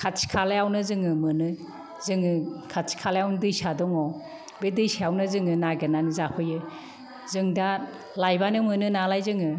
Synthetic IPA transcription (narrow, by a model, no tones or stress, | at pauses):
kʰasʰi̥kʰalajawnɯzɯŋɯmɯnɯ | zɯŋɯkʰatsʰi̥kʰalajawnɯdɯjsadɔŋɔ | bedɯjsaawnɯzɯŋɯnaɡɯnanɯzakʰɯjɯ | zɯŋda | lajbanɯmɯnɯnalajzɯŋɯ